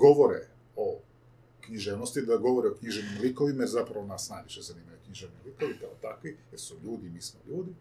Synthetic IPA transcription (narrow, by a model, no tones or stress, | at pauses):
ɡoʋoɾe | o | kɲiʒeʋnost̪id̪aɡo̞ʋoɾeokɲiʒeʋnimlikoʋimazapɾaʋonasnaːɲiʃt̪ezaniːmajukɲiʒeʋnilikoʋipaot̪akʋieɾsuʎuːd̪imiːsmoʎuːd̪i